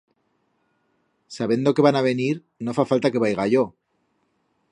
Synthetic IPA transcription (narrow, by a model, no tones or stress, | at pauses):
saβje̞nd̪o̞ke̞βanaβ̞e̞niɾ | no̞fafalt̪ake̞βajɣ̞aʝo̞